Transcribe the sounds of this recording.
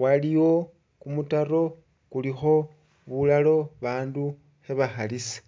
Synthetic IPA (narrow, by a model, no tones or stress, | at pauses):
waliwo̞ | kumutaro̞ | kulixo̞ | βulalo̞βaːndu | xeβaxalisḁ